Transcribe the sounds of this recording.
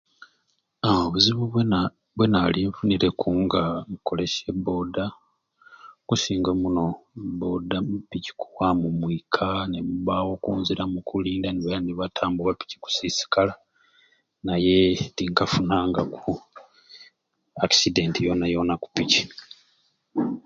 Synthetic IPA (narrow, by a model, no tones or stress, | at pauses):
aoβuziβuβ | βwenaliɱfuniɾe̞kʰuːŋɡaŋko̞le̞ʃebo̞ːda | kusiːŋɡomuno̞bo̞ːdamupici̥kuwamumwikʰaneβuβawo̞kuːnziɾamukuliːndaniβeaniβatʰaːmbuwapi̥ci̥ku̥sisi̥kala | naje̞tiŋkafunaːŋɡaku | akside̞ntijo̞najo̞naku̥pici̥